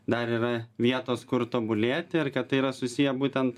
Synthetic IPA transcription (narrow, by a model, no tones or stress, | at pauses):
d̪ɐɾiːɾɐʋʲiɛt̪oːskʊɾt̪oːbʊlʲeːt̪ʲɪɪrkɐtt̪ɐɪiɾɐsʊsʲijɛbuːt̪ʲɛnt̪